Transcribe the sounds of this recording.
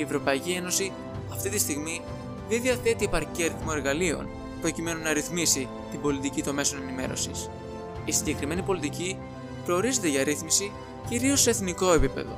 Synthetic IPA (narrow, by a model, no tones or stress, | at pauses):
ievɾo̞pɐicie̞no̞si | ɐft̪it̪ist̪iɣmi | ðenðiɐθe̞t̪iepɐɾciɐɾiθmoe̞ɾɣɐlio̰n | pɾo̞cime̞nunɐɾiθmisi | t̪ibo̞lit̪icit̪o̞me̞so̞ne̞nime̞̰ɾo̞̰sḭs | isiɲɟe̞kɾime̞nipo̞lit̪ici | pɾo̞ːɾize̞t̪e̞ʝɐɾiθmisi | ciɾio̞sːe̞ːθniko̞e̞pipe̞̰ðo̞̰